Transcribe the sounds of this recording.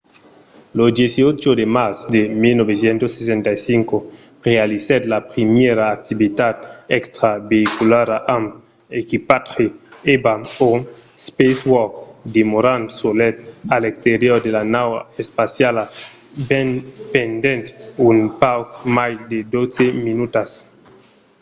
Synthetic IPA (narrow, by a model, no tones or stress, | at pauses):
losd̪jesiot͡ʃod̪emasd̪emilnoβesjent̪osːes̬ent̪ajsiŋko | realiset̪lapɾimjeɾaːk̚t̪ibit̪at̪̚ekst̪ɾabeikulaɾaʔam | ekipat̪χeebamospeswɔkd̪emoɾant̪solet̪alekst̪eɾjoɾd̪elanawaespasjala | benpend̪ent̪unpawkmajd̪ed̪ot͡seminut̪as